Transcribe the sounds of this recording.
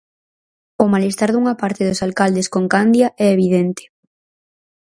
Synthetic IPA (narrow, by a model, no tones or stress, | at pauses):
ʊmalest̪aɾðuŋapaɾt̪eðʊsalkald̪eskoŋkand̪jaʔɛeβ̞iðent̪e̥